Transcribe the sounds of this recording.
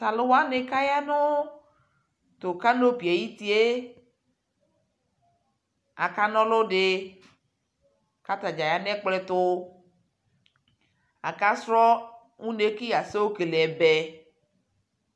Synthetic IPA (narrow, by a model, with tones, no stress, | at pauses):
ta˨lʊ˦wa˦ne˨ka˦ja˦nʊ˦ | t̪ʊ˨ka˦no˦pi˨a˨ji˦t̪i˦e˦ | a̰˨ka˦nɔ̃˦lo˦ɖɪ˨ | ka˦t̪a˨d͡ʒa˨ja˨nɛ̃˦k͡plɛ˦t̪ʊ˦ | a̰˨ka˦sɾɔ˦ | ŋũ˦ne˦ki˦ja˨se˦wo˦ke˨le˨ɛ˨bɛ˨